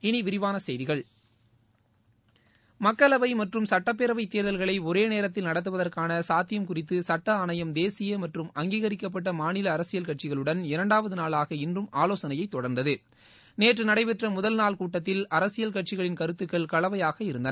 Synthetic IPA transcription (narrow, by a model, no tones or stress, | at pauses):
ɪniʋɪɾɪʋaːnɐsɛjðɪɣɐɭ | mɐkːɐlɐʋɐɪmɐʈrɯmsɐʈːɐp̬ːeɾɐʋɐɪt̪ːeːɾðɐlɣɐɭɐɪɔɾeːneːɾɐt̪ːɪlnɐɽɐt̪̬ːɯʋɐðɐrkaːnɐsaːt̪ːɪjɐmkʊrɪt̪ːɯsɐʈːɐaːnɐjɐmd̪eːsɪjɐmɐʈrɯmɐŋɡiːɣɐɾɪkːɐp̬ːɐʈːɐmaːnɪlɐːɾɐsɪjɐlkɐʈ̚t͡ʃɪɣɐɭɯɽɐnɪɾɐɳɖaːʋɐðɯnaːlaːɣɐɪndrɯmaːloːsɐnɐjɐɪt̪ːɔɽɐɾnd̪ɐðɯ | neːʈrɯnɐɽɐɪpɛʈrɐmʊðɐlnaːlkuːʈːɐt̪ːɪlɐɾɐsɪjɐlkɐʈ̚t͡ʃɪɣɐɭɪnkɐɾɯt̪ːɯkːɐɭkɐɭɐʋɐjaːɣɐɪɾɯnd̪ɐn